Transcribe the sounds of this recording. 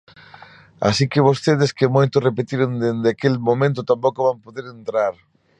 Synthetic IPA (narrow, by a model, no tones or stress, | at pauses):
a̰sikɪβost̪eð̞ɪskɪmojt̪ʊrepet̪iɾond̪end̪ɪakelmomẽnt̪ʊt̪ampokoβampoðeɾent̪ɾaɾ